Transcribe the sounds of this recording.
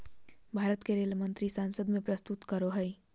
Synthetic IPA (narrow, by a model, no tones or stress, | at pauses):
bʱaːɾət̪keɾeːlmənt̪ɾisaːnsəd̪mẽpɾəst̪ut̪kəɾoɦəɪ